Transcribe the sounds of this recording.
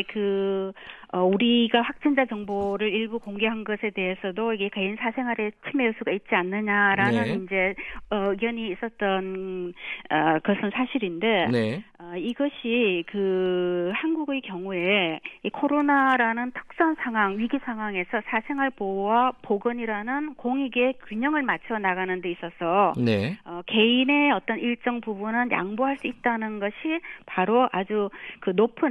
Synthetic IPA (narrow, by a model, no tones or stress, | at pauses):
kɯ | ʌuɾiɡaɸwak̚t͡ɕ͈ind͡ʑat͡ɕʌŋboɾɯɾiɭbukoŋɡe̞ɦanɡʌsʰe̞de̞ɦesʰʌdoiɡe̞keinsʰasʰe̞ŋɦaɾe̞t͡ɕʰimeos͈ʰuɡait̚t͡ɕ͈ianːɯɲaɾanɯnind͡ʑe̞ʌɡjʌɲiːs͈ʌt̚t͈ʌn | ʌkʌsʰɯnsʰaɕʰiɾinde̞nʌiɡʌɕʰikɯ | hanɡuɡe̞kjʌŋue̞ikʰoɾonaɾanɯntʰɯ̥k̚s͈ʌnsʰaŋɦwaŋɥiɡisʰaŋɦwaŋe̞sʰʌsʰasʰe̞ŋɦaɭpowapoɡɯɲiɾanɯnkoŋiɡe̞kɥiɲʌŋɯɭmat͡ɕʰʌnaɣanɯnde̞is͈ʌsʰʌneʌke̞ine̞ʌt͈ʌniɭt͡ɕ͈ʌŋpubunɯnja̰ŋboɦaɭs͈uit̚t͈anɯnɡʌɕʰipaɾoʔad͡ʑukɯnopʰɯ